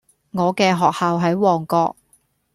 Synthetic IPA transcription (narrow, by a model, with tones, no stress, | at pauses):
ŋɔː˨˧kɛː˧ɦɔː˨k̚haː˨wɦɐ˨˥jwɔː˨˩ŋkɔː˧k̚